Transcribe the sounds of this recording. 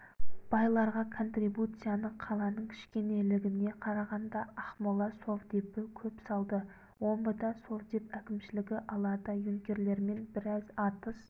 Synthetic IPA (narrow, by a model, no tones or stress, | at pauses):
b̥ɑjlˠɑɾʁɑkʰo̞nt̪ribut̪sɨjanəqʰɑlˠɑnəɴkʲʰɪ̥ʃkʲe̞ne̞lɪɡʲɪne̞qʰɑɾɑʁɑnd̪ɑɑχmolˠɑso̞vd̪epɪkʲʰɵpsɑlˠd̪ə | wo̞mbəd̪ɑso̞vd̪e̞pækʲɪmʃɪlɪɡʲɪʔɑlˠɑd̪əjɵŋkʲe̞ɾle̞ɾme̞nbɪɾɑzɑt̪əs